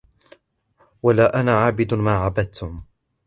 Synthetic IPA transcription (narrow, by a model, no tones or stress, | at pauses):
walaːʔanaːʕaːbɪd̪maːʕabad̪̚t̪ʰʊm